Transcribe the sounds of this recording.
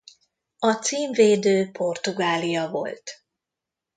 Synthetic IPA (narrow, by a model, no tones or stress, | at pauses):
ɒt̪siːɱveːd̪øːpʰo̞rt̪uɡaːlijɒvo̞̰lt̪